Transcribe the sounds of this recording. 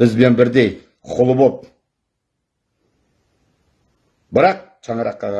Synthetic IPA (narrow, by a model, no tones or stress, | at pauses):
ɪzbe̞nbɪɾd̪e̞j | qʰʊlˠəbop̚ | bɪɾɑq̚ | ʃɑɴɑɾɑqːɑʁɑ